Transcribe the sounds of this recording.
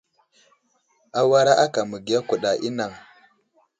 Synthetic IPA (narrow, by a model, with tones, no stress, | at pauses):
a˦wa˦ɾa˦ʔa˦ka˨mu˨ɡi˨ja˦ku˨ɗa˨ʔi˦na˨ŋ